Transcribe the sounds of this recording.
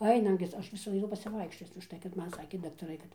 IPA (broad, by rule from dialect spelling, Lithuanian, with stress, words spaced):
ˈɐɪnɐm ɡʲɪ ˈɐʃ ʋʲɪs ɐɪˈnʊ pɐsʲɪˈʋɐɪkʃʲt͡ʃʲoːt͡s ʊʃˈtɐɪ kɐt ˈmɐn ˈsɑːkʲeː dɐktɐˈrɐɪ kɐt